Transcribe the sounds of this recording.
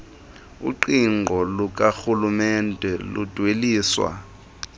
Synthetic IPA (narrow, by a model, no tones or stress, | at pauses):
ṵǃiŋŋ͡ǃʱɔluk̬ʼaxulumɛndʱɛlud̥ʱweliːswa̰